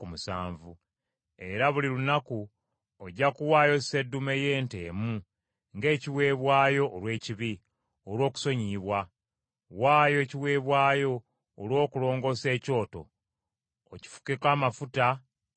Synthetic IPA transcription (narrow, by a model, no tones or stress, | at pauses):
kumusa̰ːɱvu | e̞ɾaβulilunaku | oɟːakuwaːjo̞sedːumeje̞ːnte̞̰ːmu | ŋɡe̞ːciwe̞ːβwaːjo̞ʔːlwe̞ːciβi | olwo̞ːku̥so̞ɲiːβwa | waːjo̞ːciwe̞ːβwaːjo̞ː | lwo̞ːkulo̞ːŋɡo̞se̞ːco̞ːto̞̰ː | ci̥fu̥kekaːmafuta